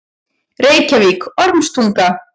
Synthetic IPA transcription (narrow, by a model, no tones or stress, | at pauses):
reːjcavikɔɾmst̪ʰuŋk̪a